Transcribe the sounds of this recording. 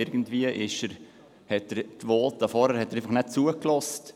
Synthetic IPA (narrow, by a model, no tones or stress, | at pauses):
ɪɾɡən̩tviəʔɪʃəɾ | hɛtəɾtvoːltɑfɔɾhəɾhɛtːəɾeɪfɑχnɛt̚t͡suːəklɔst